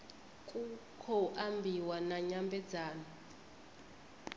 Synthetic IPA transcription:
kʼukʰɔʔambʱiwanaɲambʱɛ̥d͡zaːna

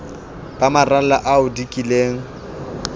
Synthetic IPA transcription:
b̥ʼamaralaʔaʊdikʼileːŋ̩

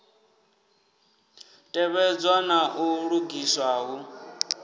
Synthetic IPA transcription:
tʼɛβɛd͡zwanaʔuɺuɡiswaːɦu

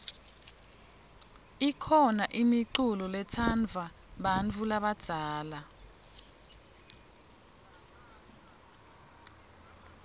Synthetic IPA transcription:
ikʰɔnaʔimiǃulɔlɛtʰand͡vʱa | ɓant͡fʰulaɓad̥ʱaːla

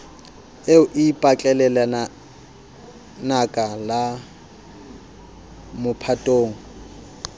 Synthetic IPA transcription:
eʊʔipʼat͡ɬʼɛlɛlana | nakʼala | mʊpʰatʼoːŋ̩

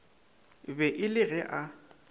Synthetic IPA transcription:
bɛʔɪlɪɣɛʔa

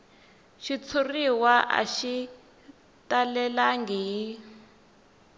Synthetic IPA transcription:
ʃit͡sʰuriwaʔa̰ʃi | talɛlaŋɡii

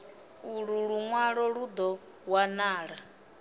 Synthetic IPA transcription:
uɺuɺuŋwaɺɔɺud̪ɔ | wanaːɺa

